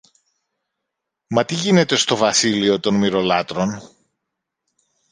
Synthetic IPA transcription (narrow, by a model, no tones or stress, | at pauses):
mɐt̪iʝine̞t̪e̞st̪o̞vɐsilio̞t̪o̞nmiɾo̞lɐt̪ɾo̞n